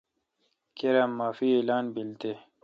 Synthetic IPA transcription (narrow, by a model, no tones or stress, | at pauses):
keɾamːaːfielaːnbilt̪e